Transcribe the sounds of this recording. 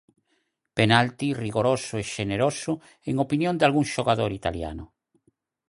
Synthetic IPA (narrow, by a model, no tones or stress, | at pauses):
penalt̪iriɣoɾosʊeʃeneɾosʊ | eŋopinjõnd̪alɣuŋʃoɣaðoɾit̪alja̰nʊ̰